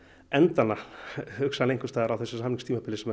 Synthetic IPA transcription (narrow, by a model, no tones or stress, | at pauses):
ɛnt̪anahʏksanejŋkʏst̪aːðɾawθɛsʏsamniŋst̪ʰiːmapʰɪlɪsɛm